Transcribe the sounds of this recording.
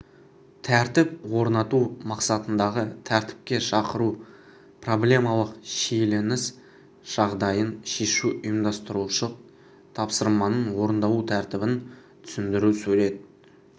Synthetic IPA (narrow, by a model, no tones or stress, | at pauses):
t̪ʰæɾt̪ɪp̚wo̞ɾnɑt̪umɑqsɑt̪ənd̪ɑʁət̪ʰæɾt̪ɪ̥p̚kʲe̞ʃɑqəɾu | pʰro̞blʲe̞mɑlˠəqʃejle̞nɪs | ʒ̥ɑʁd̪ɑjənʃe̞ʃuʊjəmd̪ɑst̪əɾuʃəq | t̪ʰɑpsəɾmɑnəɴwo̞ɾənd̪ɑwˠut̪ʰæɾt̪ɪbɪn | t̪ʰʏ̥sɪnd̪ɪɾusɵɾe̞d̪ɪ